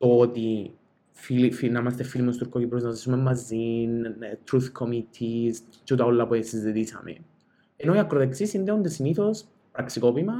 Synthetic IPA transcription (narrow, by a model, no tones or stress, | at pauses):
t̪ot̪i | filifinamɐst̪efilimost̪uɾkocipɾoznɐzisumemːazːint̪ɾuθkʰomit̪ʰis | t͡ʃut̪aolːɐpoesizːit̪isɐ̰mḛn | enoiɐkːɾoðeksisind̪eund̪esiniθos | pɾɐksikopimɐ